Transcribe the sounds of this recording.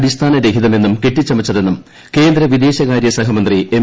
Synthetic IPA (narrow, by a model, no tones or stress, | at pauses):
ɽist̪ʰaːnɐɾekiðɐme̞nːumkeʈːit͡ɕːɐmit͡ɕːɐðe̞nːum | ke̞ːnd̪ɾɐʋid̪e̞ːɕɐɣaːɾjɐsɐɦɐmɐnd̪rie